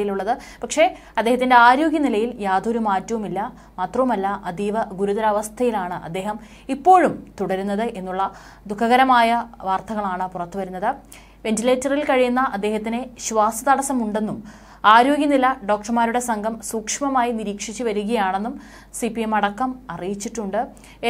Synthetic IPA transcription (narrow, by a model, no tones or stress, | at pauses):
jiluɭːɐðɨ | pɐkʂe̞ | ɐd̪ːeɦɐt̪ːinde̞aːɾo̞ːɡjɐnilɐjiljaːd̪ʱoɾumaːtːɐʋumilːɐ | maːt̪rɐʋumɐlːɐʔɐd̪iːʋɐɡuɾuðɐlɐʋɐst̪ʰɐjilaːɳɨʔɐ̰d̪ːe̞ːɦɐm | ipːo̞ːɻumt̪uɽɐɾunːɐðɨʔe̞nːuɭːɐ | d̪ukʰːɐɣɐɾɐmaːjɐʋaːrt̪ʰɐɣɐɭaːɳɨpurɐt̪ːuʋɐɾunːɐðɨ | ʋe̞ntile̞ːtːɐrilkɐɻijunːɐʔɐd̪ːe̞ːhɐt̪ːineɕʋaːsɐðɐɽɐsɐmuɳɖe̞nːum | aːɾo̞ːɡjɐnilɐɖo̞ːk̚ʈrɐmaːɾuɽe̞sɐŋɡʱɐmsuːkʂmɐmaːjiniɾiːkʂit͡ɕːɨʋɐɾuɣɐjaːɳe̞nːum | sipːiemɐɽɐkːɐmɐrijit͡ɕːiʈːuɳɖɨ